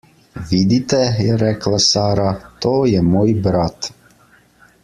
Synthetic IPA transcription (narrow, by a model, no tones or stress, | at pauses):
ʋid̪it̪ɛjɛɾɛklasaːɾat̪oːjɛmoːjbɾat̪